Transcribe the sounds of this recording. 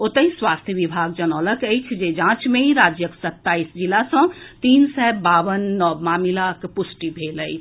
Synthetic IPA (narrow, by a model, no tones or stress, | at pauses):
ot̪əɦĩswaːst̪ʰjəʋibʱaːɡd͡ʒənɔːləket͡ʃʰd͡ʒed͡ʒãːt͡ʃmẽĩɾaːd͡ʒjəksət̪ːaːisd͡ʒilasə̃t̪iːnsɛːbaːʋənːɔːmaːmilakpʊsʈibʱeːləi